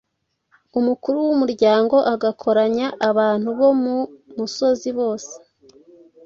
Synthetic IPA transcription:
umukuɾuwumuɾɟaːŋɡo̞ʔaɡakʰo̞ɾaɲaʔaβaːn̥huβo̞mumuso̞ziβo̞ːse̥

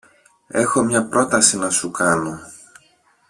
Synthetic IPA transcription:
e̞xo̞mɲɐpɾo̞t̪ɐsinɐsukɐno̞

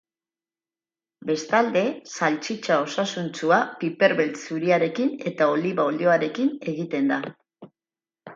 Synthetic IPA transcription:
be̞st̪ald̪e̞salt͡ʃit͡ʃao̞sasunt͡suapipe̞ɾβelsuɾiaɾe̞kine̞t̪ao̞liβaoldio̞aɾe̞kine̞ɣ̞it̪e̞nd̪a

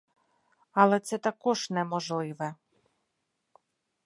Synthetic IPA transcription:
ɐlˠɛt̪sɛt̪ɐkɔʒnɛmɔʒlˠɪʋɛ

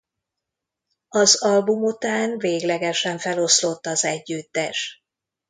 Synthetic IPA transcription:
ɒzɒlbumut̪aːnveːɡlɛɡɛʃɛɱfɛlo̞slo̞t̪ːɒzɛɟːyt̪ːɛʃ

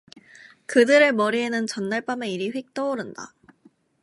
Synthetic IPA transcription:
kɯdɯɾɯɭmʌɾiɦe̞nɯnt͡ɕʌnːaɭp͈ame̞iɾiɸwik̚t͈ʌoɾɯnda̰

